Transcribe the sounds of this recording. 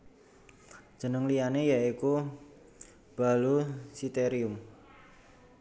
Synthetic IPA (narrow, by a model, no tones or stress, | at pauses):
d͡ʒ̥ə̤nəŋlijanejaiku | b̥a̤lusit̪eɾiʊm